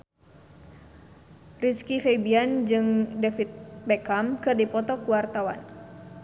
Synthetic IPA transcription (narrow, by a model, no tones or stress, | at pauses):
riskifebiand͡ʒɨŋdɛfit̪̚bɛkamkɨrdipɔt̪ɔkuwart̪awa̰n